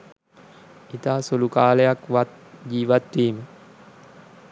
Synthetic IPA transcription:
it̪aːsolukaːlejakʋat̪̚ | d͡ʑiːʋat̪ʋiːmə

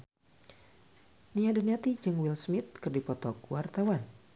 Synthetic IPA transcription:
niadəniat̪id͡ʒɨŋwilsmɪt̪̚kərdipɔt̪ɔk̚wart̪awan

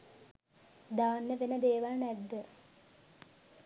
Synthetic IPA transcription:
d̪aːnːəʋenəd̪eːʋalnɛd̪ːə

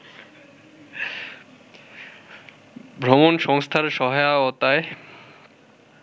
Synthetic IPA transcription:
bʱɾomonʃɔŋst̪ʰaɾʃɔɦajaɔt̪ae

